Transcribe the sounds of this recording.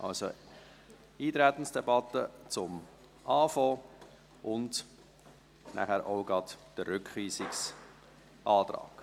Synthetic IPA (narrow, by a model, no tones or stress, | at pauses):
ʔɑ̰lso̰ | iːt̪ɾæt̪n̩sd̥ɛbɑtːət͡sʊm | ʔɑːfɔː | ʔʊnd | næ̰χæɾʔoʊɡɾɑtd̥ərːʏkχiːsɪks | ʔɑːt̪ɾɑ̰ːk